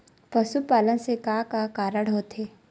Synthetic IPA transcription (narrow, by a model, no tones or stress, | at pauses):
pɐsupaːlənsekaːkakaːɾəɽɦoːt̪ʰeː